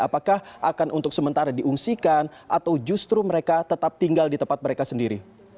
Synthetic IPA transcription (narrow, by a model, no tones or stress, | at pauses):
apakahʔakanʔunt̪ʊk̚səmənt̪aɾadiʔuŋsikanʔat̪awd͡ʒust̪ɾuməɾekat̪ət̪ap̚t̪iŋɡaldit̪əmpat̪̚məɾekasəndiɾi